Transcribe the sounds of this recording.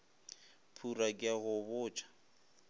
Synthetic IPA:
pʰurakʼɪaɣʊβʊːt͡ʃʼḁ

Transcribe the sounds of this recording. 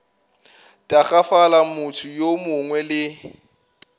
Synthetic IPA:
tʼaχafalamʊtʰʊjomʊŋwɛlɪ

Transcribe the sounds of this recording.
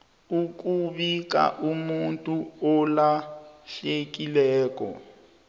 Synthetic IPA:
uk̬ʼuβik̬ʼa̰ʔumuntʼuɔlaɬek̬ʼilɛːkɔ̰

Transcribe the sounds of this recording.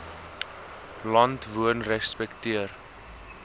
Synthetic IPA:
lɐntvuənrɛspɛktiər

